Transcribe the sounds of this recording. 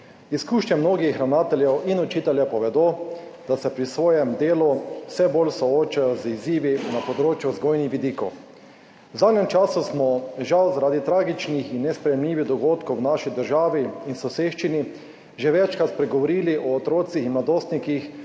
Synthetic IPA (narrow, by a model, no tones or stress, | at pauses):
iskuːʃɲɛmnoːɡixxɾawnaːt̪ɛljɛwʔinɔt͡ʃit̪ɛljɛpɔʋɛd̪o | d̪̥asɛpɾisʋoːjɛmd̪eːluwsɛbolsɔoːt͡ʃajɔziziːʋinapɔd̪ɾoːt͡ʃjuzɡoːjnixʋid̪iːkɔw | wzaːd̪nɲɛmt͡ʃaːsusmɔʒawzaɾaːd̪it̪ɾaːɡit͡ʃnixinːɛspɾɛjɛmliːʋid̪ɔɡoːt̪kɔwnaʃid̪əɾʒaːʋiinsɔseʃt͡ʃini | ʒeʋɛt͡ʃkɾat̪pɾɛɡɔʋɔɾiːliʔɔːt̪ɾoːt̪sixinmlad̪oːst̪nikix